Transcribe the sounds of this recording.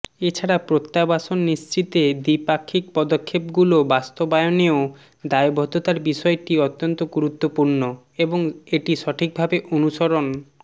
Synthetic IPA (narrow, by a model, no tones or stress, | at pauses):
et͡ɕʰaɽapɾot̪ːabaʃonːist͡ɕɾit̪ed̪ipakʰːik̚pɔd̪okʰːepɡulobast̪obaeoneo | d̪aebʱɔt̪ot̪aɾbiʃɔeʈiɔt̪ːont̪oɡuɾut̪ːopuɾno | eboŋeʈiʃɔʈʰik̚bʱabeʔonuʃoɾon